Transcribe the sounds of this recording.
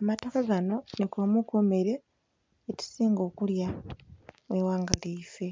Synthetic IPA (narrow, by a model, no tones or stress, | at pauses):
amato̞kaɡano̞nekomukome̞ɾe̞ː | ti̥siːŋɡo̞ːkulja | wewaːŋɡaliːfe̞